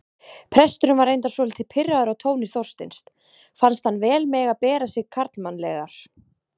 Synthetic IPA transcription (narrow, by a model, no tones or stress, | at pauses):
pʰɾɛst̪ʏɾʏmvaɾejnt̪asvɔːlɪt̪ʰɪpʰɪraðʏɾawt̪ʰoːwnɪ̥θɔr̥st̪ɪ̰nst̪ | fanst̪hanːvɛːlmɛːɣapɛːɾasɪɣkʰaɾt̪lmanlɛɣa̰ɾ̥